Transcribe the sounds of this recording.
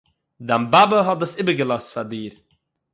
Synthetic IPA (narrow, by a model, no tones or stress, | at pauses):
dambabəɦɔtdəsɪbəɾɡəlˠɔstfaɾdiːɾ